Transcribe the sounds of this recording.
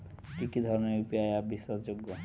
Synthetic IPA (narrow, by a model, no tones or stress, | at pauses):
kikid̪ʱɔɾoneɾjupiajaɾbiʃːasd͡ʑoɡːo